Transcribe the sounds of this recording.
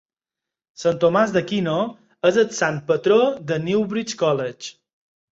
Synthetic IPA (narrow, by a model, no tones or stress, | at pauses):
sant̪omazðəkino | əzət̪san̚pət̪ɾoðəniwβɾit͡ʃkɔlət͡ʃ